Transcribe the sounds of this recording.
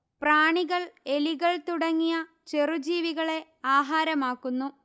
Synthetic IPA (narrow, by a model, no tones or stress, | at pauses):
praːɳiɣɐɭeliɣɐɭt̪uɽɐŋːijɐ | t͡ɕerud͡ʑiːʋiɣɐɭe̞ | aːɦaːɾɐmaːkːunːu